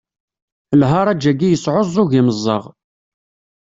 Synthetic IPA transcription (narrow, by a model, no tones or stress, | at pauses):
lɦɑɾˤæd͡ʒæɡijəsʕozˤuɣiməzˤːɑʁ